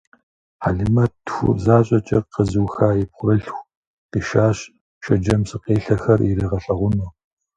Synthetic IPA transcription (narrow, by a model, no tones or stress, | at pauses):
a̰ːɮɨmɐtxʷʊ̰zaːɕʼɐt͡ʃʼɐqəzuːxaːjɪpχʷʊɾɨɬxʷ | qiʃaːɕ | ʃɐd͡ʒɐmsɨqeːɬɐxɐriɾiʁɐɬɐʁʷʊno